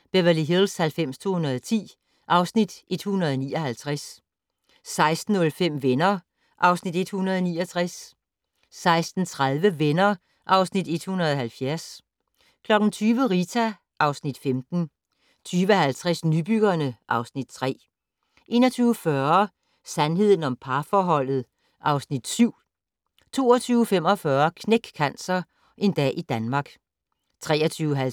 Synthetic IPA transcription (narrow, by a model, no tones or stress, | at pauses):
b̥eʋæliɦilshælfem̰st͡sʰo̝ːhunɐð̞ˠt͡sʰḭː | ʔɑ̈ʊsnid̥ʔe̝d̥hunɐðˠɒnḭːɒhælt͡sʰʁas | sɑ̈ɪsd̥n̩ɔ̽lfem̰ʋenɐ | ʔɑ̈ʊsnid̥e̝d̥hunɐð̞̩ˠɒnḭːɒt͡sʰʁasː | ɑ̈ɪsd̥n̩t͡sʰʁaðˠʋəʋenɐ | ʔɑ̈ʊsnid̥e̝d̥hunɐð̞̩ˠɒɦælfjæɐs | kʰlɒ̽ɡ̥n̩t͡sʰyːʋəʁit͡sʰæ | ʔɑ̈ʊsnid̥femd̥n̩ | t͡sʰyːʋəhælt͡sʰʁɛsnyb̥yɡ̥ɐnəʔɑ̈ʊsnid̥t͡sʰʁɛ̰ː | ʔe̝ːnɐt͡sʰyːʊəfɶɐ | sænɦe̝ð̞̰ˠn̩ɒ̽mpʰɑ̈fɒːɦɒ̽l̰ð̩ˠ | ʔɑ̈ʊsnid̥syʊ̰ | t͡sʰo̝ːɐt͡sʰyːʊəfem̰ɒ̽fɶːɐkʰneɡ̥kʰænsɐ | ʔe̝nd̥ɛ̰ːʔid̥ænmɑ̈ɡ̥ | t͡sʰʁɛ̰ːɐt͡sʰyːʊəɦæ